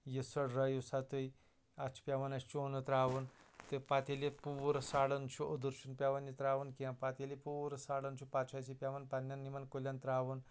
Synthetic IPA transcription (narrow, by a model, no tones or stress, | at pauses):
jisɐɽɾajusat̪ɨj | at͡ʃʰi̥pʲjaʋɐnɐt͡ʃt͡ʃoːnɨt̪ɾaːʋunt̪ɨpat̪ʲelipuːɾɐsaːɽɐnt͡ʃʰuəd̪uɾt͡ʃunpʲaʋɐnjit̪ɾaːʋɐnkiãpat̪ʲelʲipuːɾɐsaːɽɐnt͡ʃʰupat͡ʃʰasipʲjaʋɐnpanʲːanːimɐnkolʲant̪ɾaːʋun